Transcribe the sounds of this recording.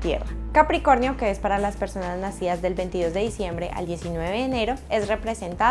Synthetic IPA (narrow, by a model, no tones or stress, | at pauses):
t̪jḛrakapɾiko̞ɾnjo̞ke̞espaɾalaspe̞ɾso̞naznasiðazd̪e̞lbe̞jnt̪iðo̞zd̪e̞ðisje̞mbɾe̞ʔa̰ld̪je̞sinwe̞eeːne̞ɾo̞e̞sre̞pɾe̞se̞nt̪a